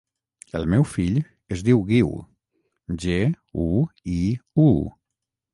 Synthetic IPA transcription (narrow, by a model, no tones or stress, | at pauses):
ə̰lˠmɛwfiʎ | əzðiwɣiw | ʒe | uiu